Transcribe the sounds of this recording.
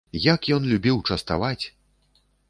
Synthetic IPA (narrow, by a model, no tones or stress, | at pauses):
jakjɔnlʲubʲiwt͡ʂɐst̪a̰vat͡sʲ